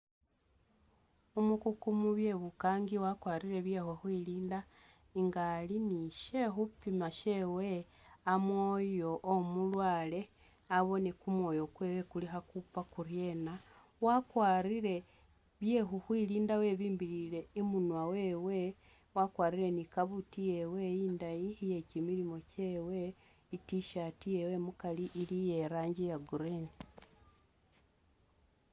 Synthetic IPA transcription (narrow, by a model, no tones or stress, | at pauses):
umukukumuβje̞βukaːŋɡiwakwaːɾiɾe̞βje̞hwexwiliːnda | iŋɡaliniʃe̞xupimaʃe̞we | amwo̞jo̞ʔːmulwaːle̞ | aβo̞ne̞kumwo̞jo̞kwewekulixakupakurje̞na | wakwaɾiɾe̞ | βjeɦuhwiliːndawe̞βiːmbilile̞imunwaweːwe̞ | wakwaːɾiɾenikaβutijewejiːndajiije̞cimiɾimo̞ce̞ːwe | itiʃatijewe̞mukaliʔːlije̞ɾaːɲɟejaɡuɾeːni